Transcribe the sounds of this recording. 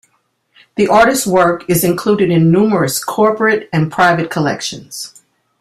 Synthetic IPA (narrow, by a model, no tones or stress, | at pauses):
ðiʔɑɹɾɨst̚wɜ˞kɨzɨ̃nkʰl̥uɾɨɾɨ̃nːumə˞ɨskʰɔɹpɹɨɾɨ̃npʰɹ̥aɪvɨt̚kʰəlɛ̰kʃɨ̃nz̥